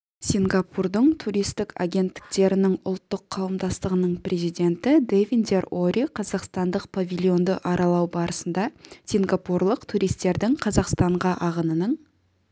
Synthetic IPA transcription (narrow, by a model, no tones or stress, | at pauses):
sʲiŋɡɑpurd̪əɴt̪ʰuɾijst̪ɪka̰ɡʲe̞nt̪ːɪ̥k̚t̪e̞ɾɪnɪŋʊ̰lˠt̪ːəqʰːɑwəmd̪ɑst̪əʁənəɴprʲʔezijd̪e̞nt̪ɪd̪evʲind̪eroɾiqʰɑzɑqst̪ɑnd̪əq̚pʰavʲilʲˠjo̞nd̪əʔɑɾʔɑlˠɑwbɑɾəsənd̪ɑsʲiŋɡɑpurlˠəqt̪ʰuɾijst̪e̞ɾd̪ɪŋqʰɑzɑqst̪ɑɴʁɑʔɑʁənənəɴ